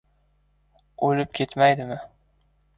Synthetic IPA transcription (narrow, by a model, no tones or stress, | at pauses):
olɪp̚kʲʰe̞t̪majd̪ɪmɪ